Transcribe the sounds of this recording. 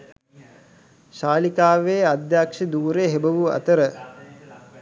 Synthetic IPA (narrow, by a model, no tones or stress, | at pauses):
ʃaːlikaːʋeːad̪jaːkʂed̪uːɾeɦebəʋuɐ̰t̪əɾə